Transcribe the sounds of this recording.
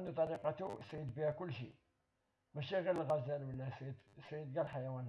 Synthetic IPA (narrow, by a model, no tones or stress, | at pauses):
nd̪ut̪ˤɑliqɑt̪usɾid̪bihækʊlːʃḭ | bæʃiɣiɾəlɣæzælwəlːæsid̪sid̪ɡælħajæwænh